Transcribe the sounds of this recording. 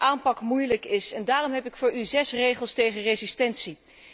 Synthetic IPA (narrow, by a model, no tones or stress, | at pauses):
ʔaːmpɑkmujləkɪsɛndaːrɔmɦɛpɪkfʊːɹyzɛsrejχəlˠstejχənrezistɛntsi